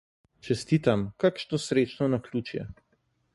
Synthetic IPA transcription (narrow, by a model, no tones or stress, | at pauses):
t͡ʃɛst̪iːt̪amkakʃnɔsɾeːt͡ʃnɔnaklʲuːt͡ʃjɛ̰